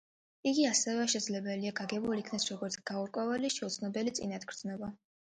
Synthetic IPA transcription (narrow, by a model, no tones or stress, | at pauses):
iɡiasɛvɛʃɛd̪zlɛbɛliaɡaɡɛbulikʰnasɾɔɡɔɾt̪sʰɡ̥auɾkʼwɛvɛliʃɛut̪sʰnɔbɛlit̪sʼḭnad̪ɡɾd̪znɔba